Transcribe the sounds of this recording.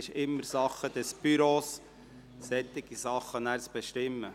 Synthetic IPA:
ɪʃɪmːəɾsɑχːəd̥̪ɛsb̥yɾoːsː | ɛt̪ːɪɡ̥isɑχːənæːɾt͡sb̥eʃtɪmːə

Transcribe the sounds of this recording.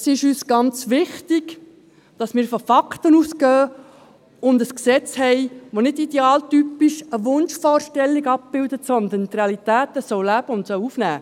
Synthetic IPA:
sɪʃyːsɡ̥ɑnt͡sʋɪχtɪɡ | d̥ɑsmɪːɾfɔfɑkt̪ənuːskœː | ʊnd̪əsksɛt͡shɛɪʋonɪdidɛɑːltypiʃəʋʊnʃfɔːrʃtɛlːiɡɑp̚b̥ɪld̪ətsɔnd̪ənt̪reɑlit̪æːt̪əsoːlæb̥əʊntsɔwufnæ̰ː

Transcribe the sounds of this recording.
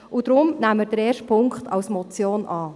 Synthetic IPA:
ud̥̪ɾʊmnæmːəd̥əɾɛːʃtpʰʊŋkχtʰɑ̰wsmɔt͡sjoːnʔɑː

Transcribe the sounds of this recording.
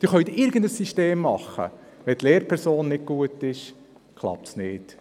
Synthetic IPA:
d̥ɪχœʏɥt̪ɪɾɡəndəsːiʃteːmːɑχə̰ | ʋɛt̪leːɾpʰɛɾsoːnːɪt̚kuətɪʃ | kʰlˠɑ̰p̚tsnɪːt

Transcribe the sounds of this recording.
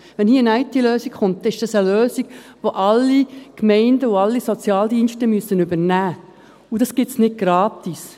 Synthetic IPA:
ʋɛnhiːəənæɪtiløːsikχʊnt̚ːɛnɪʃd̥ɑsəløːsiɡ̥ʋoʔɑlːikmɛɪndəʊɑlːisɔt͡sjɑːldiːnʃtəmyəsːənʏbənæː | udɑsɡ̥ɪtsnɪt̚ɡ̥ɾɑːtis

